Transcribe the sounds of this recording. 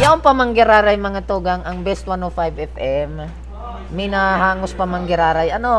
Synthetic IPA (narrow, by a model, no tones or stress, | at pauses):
jɐʔoŋpɐmɐŋɡɪɾaːɾajmɐŋat̪uɡaŋɐŋbɛst̪̚wanofajbɛfʔɛm | mɪnaɦaːŋospɐmɐŋɡɪɾaːɾajʔɐno